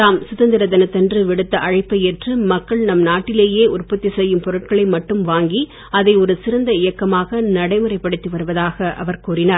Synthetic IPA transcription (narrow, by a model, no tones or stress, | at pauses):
t̪aːmsʊðɐnd̪ɪɾɐd̪ɐnɐt̪ːɛndrɯʋɪɽɯt̪ːɐʔɐɻɐɪpːɐjɛʈrɯmɐkːɐɭnɐmnaːʈːɪleːjeːʊrpɐt̪ːisɛjːɯmpɔɾɯʈ̚kɐɭɐɪmɐʈːɯmʋaːŋɡi | ɐðɐɪɔɾɯsɪɾɐnd̪ɐɪjɐkːɐmaːɣɐnɐɽɐɪmɯɾɐɪpːɐɽɯt̪ːiʋɐɾɯʋɐðaːɣɐʔɐ̰ʋɐɾkuːɾɪnaːɾ